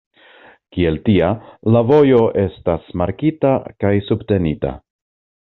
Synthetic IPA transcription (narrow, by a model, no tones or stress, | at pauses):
kie̞ltialavo̞jo̞ʔe̞stasmaɾkitakajsubte̞nita̰